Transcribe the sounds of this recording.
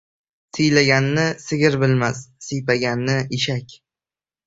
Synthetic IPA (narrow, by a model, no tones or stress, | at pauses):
sʰɪjlaɡʲanːɪsɪɡʲɪɾbɪlmassɪjpaɡʲanːɪʔɪʃakʲ